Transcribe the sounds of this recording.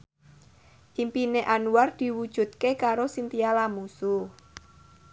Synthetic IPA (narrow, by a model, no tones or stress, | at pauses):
ʔimpineʔanuard̪̥i̤wud̥ʒ̥ṳt̪̚kekaɾosint̪ialamusu